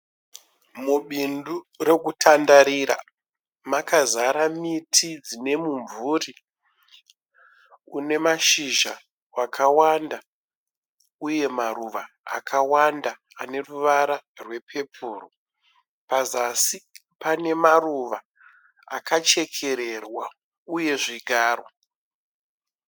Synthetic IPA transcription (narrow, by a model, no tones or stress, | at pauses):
muɓindu | re̞kutʰandaɾiɾa̰ | makazaɾamitʰid͡zine̞muɱvuri | une̞maʃiʒa̰ | wakawanda | uje̞maruʋa̰ː | kʰawandaːne̞ruʋaɾarwe̞pʰe̞pʰuːro | pazasi | pane̞maruʋa̰ː | kat͡ʃe̞kʰe̞ɾe̞rwa | uje̞ʐiɡʱaːro